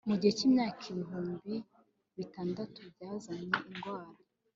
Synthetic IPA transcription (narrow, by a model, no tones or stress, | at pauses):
muɟiheciːmɲaːkʰiβiɦuːmbi | βitaːndatub̚ɟaːzaɲeiŋɡwaːɾa